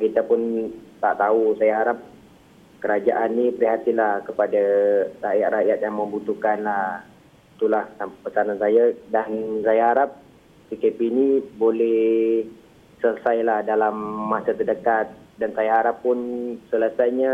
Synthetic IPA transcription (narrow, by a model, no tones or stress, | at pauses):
kit̪apʊnt̪a̰ʔt̪ausajaɦaɾap̚ | kəɾad͡ʒaʔanːipəɾiɦat̪ilahkəpadarajat̪̚rajat̪̚jaŋməmbut̪ukanlah | t̪ulaht̪apəsanansajadansajaɦaɾap̚ | sikepinibolɛh | sələsajlahdalamːasat̪ərdəkat̪̚dansajaɦaɾapːʊnsələsajɲa